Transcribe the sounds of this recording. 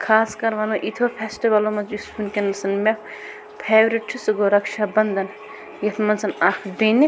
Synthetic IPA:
kʰaːskɐɾʋɐnmɐʔit̪ʰopʰesʈiʋɐlomɐd͡ʒispunkʲenɐsɐnme | pʰeːbɾiʈ̚t͡ʃʰusɨɡoɾɐkʃabɐnd̪ɐn | jɐt̪ʰmɐnsɐnakʰdeni

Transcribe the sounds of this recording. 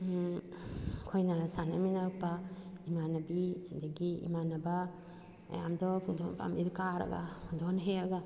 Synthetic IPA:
kʰojnasana̰minaɾɯk̚paimanabid̪aɡiḭmanɐba | a̰jamd̪ɔdɔpa̰mid̪ɔkaɾa̰ɡa̰dɔnɦeaɡa

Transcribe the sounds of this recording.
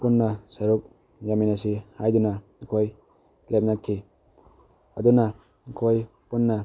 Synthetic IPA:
punːɐsɐɾuk̚ | jaminasihajduna | kʰoj | lep̚natʰːi | ɐduna | kʰoj | punːa

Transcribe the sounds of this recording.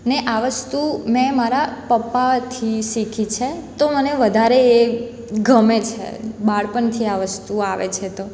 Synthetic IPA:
neʔaʋəst̪umɛ̃maɾapəpːat̪ʰiʃikʰit͡ʃʰet̪oməneʋəd̪ʱaɾeː | ɡʱəmet͡ʃʰḛbaɽpəɳt̪ʰiaʋəst̪uaʋḛt͡ʃʰet̪o

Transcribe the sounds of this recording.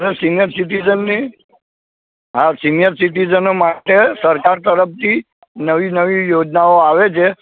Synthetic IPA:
ɾesinjəɾsiʈid͡ʒənːi | ɦasinijəɾsiʈ̬id͡ʒənomaʈesəɾkaɾt̪əɾəp̚t̪ʰi | nəʋinəʋijod͡ʒnaoaʋet͡ʃʰe

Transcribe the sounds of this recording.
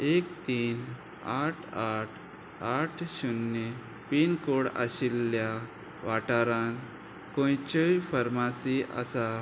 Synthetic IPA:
ekt̪iːn | aʈʰaʈʰ | aʈʰɕunːe | pinkoɽa̰ɕilːja | ʋaʈaɾãn | kõjt͡ɕəjfəɾmasiʔa̰sa

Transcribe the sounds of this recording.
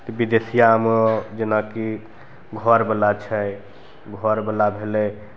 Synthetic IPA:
t̪ɔbid̪esijamd͡ʒenaki | ɡʱɔɾbelat͡ʃʰɛ | ɡʱɔɾbəlabʱelɛ

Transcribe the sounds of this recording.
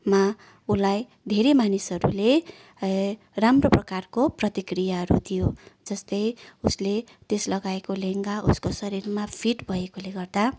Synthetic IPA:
ma | ulaj | d̪ʱeɾemanisʌɾṵle | ramroprʌkarkoprʌt̪ikrijaɦʌɾṵt̪ʰijod͡zʌst̪ʌjusle | t̪eslʌɡaekoleŋɡauskosʌɾirmapʰiʈbʱʌekoleɡʌrd̪a

